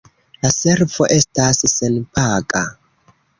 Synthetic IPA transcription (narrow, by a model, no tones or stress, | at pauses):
laseɾvoʔe̞stasːenpʰakʼa